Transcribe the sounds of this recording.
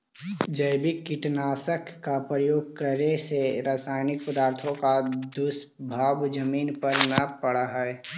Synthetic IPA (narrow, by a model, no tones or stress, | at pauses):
d͡ʒəɪbɪkːɪʈnaːsəkːapɾəjoːɡ̚kəɾeseɾaːsaːɪnɪk̚pəd̪aːɾt̪ʰõkad̪ʊs | bʱaːbd͡ʒəmiːnpəɾnapəɽaɦɛ